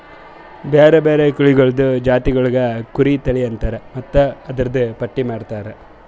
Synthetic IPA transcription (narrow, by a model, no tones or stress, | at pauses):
beːɾebeːɾekuɭiɡɐɭɐd̪ud͡ʒaːt̪iɡɐɭuɡɐkuɾit̪ɐɭijɐnt̪ɐːɾemɐt̪ːuɐd̪ɐɾɐd̪upɐʈːimaːɽt̪aːɾe